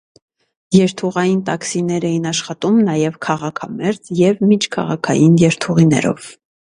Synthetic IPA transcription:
jɛɾt̪ʰuʁɑjint̪ɑksinɛɾɛjinɑʃχɑt̪umnɑjɛvkʰɑʁɑkʰɑmɛɾd͡zjɛvmit͡ʃʰkʰɑ̰ʁɑkʰɑ̰jinjɛɾt̪ʰuʁinɛ̰ɾɔ̰v

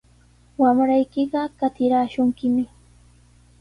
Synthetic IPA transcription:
wamɾajkɪɢɑkat̪ɪɾaːʃʊŋkɪmɪ

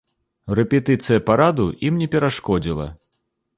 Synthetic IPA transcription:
rɛpʲɛt̪ɨt̪sɨjɐpaɾad̪uimnʲɛpʲɛɾaʂkɔd͡zʲilˠɐ̰

